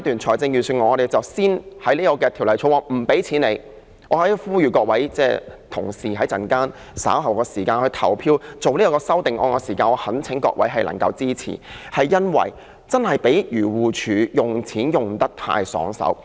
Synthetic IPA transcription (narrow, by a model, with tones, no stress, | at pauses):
t̪yː˨˩nt͡ʃʰɔː˨˩jt͡sɪ˧ŋjyː˨˩syː˧˩nŋɔː˨˧ɔ˧ɾe˨jt͡sɐ˨wsiː˥nhɐ˨˥jliː˥kɔː˧kɛː˧t̪ʰiː˨˩wlɐ˨˩jt͡sʰo˨˧˥wɔː˧m̩˨˩pe˨˥jt͡sʰiː˨˥nle˨˧j | ʔɔː˨˧hɐ˨˥jfuː˥jyː˨kɔː˧k̚wɐ˨˥jt͡sɛː˥t̪ʰʊ̰˨˩ŋsiː˨˩ɦɐ˨˥jt͡sɐ˨nkaː˥n | sa̰ː˨˥wɦɐ˨˩wkɔː˧siː˨˩kaː˧nhɵ˧t̪ʰɐ̰˨˩wpʰiː˧wt͡so˨wliː˥ɔ˧kɔː˧sɐ˥wt̪ɪ˨˩ŋʔɔː˧nkɔː˧siː˨˩kaː˧nɔ˨˧hɐ˨˥nt͡sʰɪ˨˥ŋkɔ̰ː˧k̚wɐ̰˨˥jɦɐ˨jlɐ˨˩ŋkɐ̰˧wt͡siː˥t͡sʰḭ˨˩hɐ˨jːɐ˥nwɐ̰˨˩j | t͡sɐ˥nhɐ˨˩jpe˨˥jjyː˨˩wuː˨t͡ʃʰyː˨˧jʊ˨ŋt͡sʰiː˨˥njʊ˨ŋt̪ɐ˥k̚t̪ʰa̰ː˧jsɔ̰ː˨˥ŋsɐ̰˨˥w